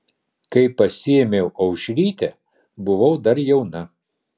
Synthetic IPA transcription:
kɐɪpɐsʲɪɛmʲeʊʔɐʊʃʲɾʲiːt̪ʲɛ | bʊʋɐʊd̪ɐɾjɛʊnɐ

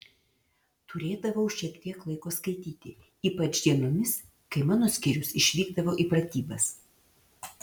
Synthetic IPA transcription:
t̪ʊɾʲeːd̪ɐʋɐʊʃʲiɛkt̪ʲiɛklˠɐɪkoːskɐɪt̪ʲiːt̪ʲɪ | iːpɐt͡ʃd̪ʲiɛnoːmʲɪs | kɐɪmɑːnoːsʲkʲɪɾʲʊsɪʃʲʋʲiːɡd̪ɐʋoːʔipɾɐt̪ʲiːbɐs

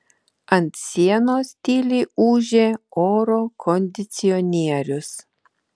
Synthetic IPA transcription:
ɐnt̪sʲiɛnoːsʲt̪ʲiːlʲiːuːʒʲeːoːɾoːkʰɔnʲd̪ʲɪt̪sʲɪɔnʲiɛɾʲʊs

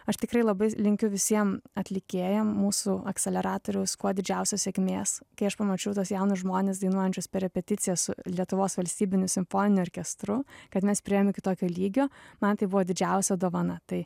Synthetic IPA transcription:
ɐʃt̪ʲɪkɾɐɪlˠɐbɐɪlʲɪŋʲkʲʊʋʲɪsʲiɛmɐt̪ʲlʲɪkʲeːjɛmmuːsuɐksʲɛlʲɛɾɑːt̪oːɾʲɛʊskuɔd̪ʲɪd͡ʒʲɛʊsʲoːsʲekʲmʲeːskɐɪɐʃpɐmɐt͡ʃʲɛʊt̪oːsjɛʊnʊʒmoːnʲeːs̬d̪ɐɪnuɔjɛnʲt͡ʃʲoːspʲɛɾʲɛpʲɛt̪ʲɪt̪sʲɪjɛːssʊlʲiɛt̪ʊʋoːsʋɐlʲsʲt̪ʲiːbʲɪnʲʊsʲɪmfoːnʲɪnʲʊɔːɾʲkʲɛst̪ɾʊkɐt̪mʲɛspʲɾʲɪeːmmʲɪkʲɪt̪oːkʲoːlʲiːɡʲoːmɐnt̪ɐɪbʊʋoːd̪ʲɪd͡ʒʲɛʊsʲɛd̪oːʋɐnɐt̪ɐɪ

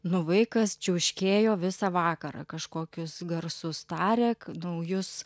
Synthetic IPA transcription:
nʊʋɐɪkɐst͡ʃʲɛʊʃʲkʲeːjoːʋʲɪsɑʋɑːkɐɾɑ̰kɐʃkoːkʲʊsɡɐrsʊst̪ɑːɾʲɛknɐʊjʊs

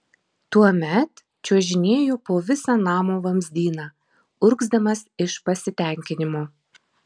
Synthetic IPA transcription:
t̪uɔmʲɛt̪ | t͡ʃʲuɔʒʲɪnʲeːjoːpoːʋʲɪsɑːnɑːmoːʋɐmʲzʲd̪ʲiːnɑː | ʊɾɡzd̪ɐmɐsɪʃpɐsʲɪt̪ʲɛˑŋʲkʲɪnʲɪmoː

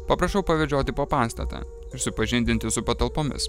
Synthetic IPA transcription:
pɐpɾɐʃɐʊpɐʋʲɛʒʲoːt̪ʲɪpoːpɑːst̪ɐ̰t̪a̰ː | ɪɾsʊpɐʒʲɪnd̪ʲɪnʲt̪ʲɪsʊpɐt̪ɐlˠpoːmʲɪ̰s

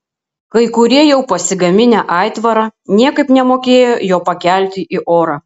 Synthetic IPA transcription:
kɐɪkʊɾʲiɛjɛʊpɐsʲɪɡɐmʲɪnʲæːʔɑˑɪt̪ʋɐɾɐnʲiɛkɐɪpnʲɛmoːkʲeːjoːjoːpɐkʲæˑlʲt̪ʲɪʔɪʔoːɾɑː

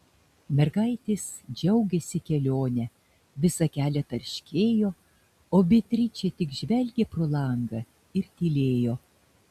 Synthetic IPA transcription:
mʲɛɾɡɐɪt̪ʲɪsd͡ʒʲɛʊɡʲɛsʲɪkʲɛlʲoːnʲɛ | ʋʲɪsɐkʲæːlʲɛt̪ɐɾʲʃʲkʲeːjoː | oːbʲɪt̪ʲɾʲit͡ʃʲɛt̪ʲɪkʒʲʋʲɛlʲɡʲeːpɾolˠɐŋɡɐ | ɪɾt̪ʲiːlʲeːjoː

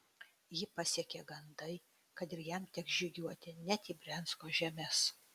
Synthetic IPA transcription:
jɪpɐsʲiɛkʲeɡɐnd̪ɐɪ | kɐt̪ɪɾjɛmt̪ʲɛkzd͡ʒʲɪɡʲuɔt̪ʲɪnʲɛt̪ʲiːbʲɾʲɛnskoːʒʲɛmʲɛs

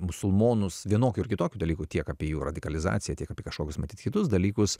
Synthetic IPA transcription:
mʊsʊlˠmoːnʊsʋʲiɛnoːkʲʊɪɾkʲɪt̪oːkʲud̪ɐlʲiːkut̪ʲiɛkaːpʲijuːɾɐd̪ʲɪkɐlʲɪzɑ̰ːt̪sʲɪjɛt̪ʲiɛkɐpʲiɛkɐʃkoːkʲʊsmɐt̪ʲiːt̪kʲɪt̪ʊs̬d̪ɐlʲiːkʊs

